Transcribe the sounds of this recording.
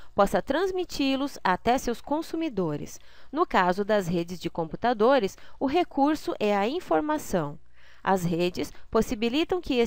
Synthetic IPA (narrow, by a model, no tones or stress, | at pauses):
pɔsɐt̪ɾɐ̃zmit͡ʃilʊzat̪ɛsewskõsumid̪oɾɪ̰s | nʊkazʊd̪ɐzɦed͡ʒɪzd͡ʒɪkõmput̪ad̪oɾɪsʊɦekuɾsʊʔɛɐĩfoɾmasɐ̃w̃ | ɐ̰zɦed͡ʒɪsposibilit̪ɐ̃w̃kɪe